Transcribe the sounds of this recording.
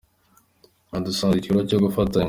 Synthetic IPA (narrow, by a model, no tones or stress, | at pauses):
adusãzicuɾocoɡufata